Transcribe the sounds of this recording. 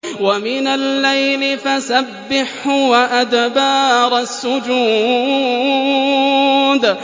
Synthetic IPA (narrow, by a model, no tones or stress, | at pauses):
wamɪnalːajlɪfasabːɪħʊwaʔad̪bɑːɾˤasːʊd͡ʒuː | d̪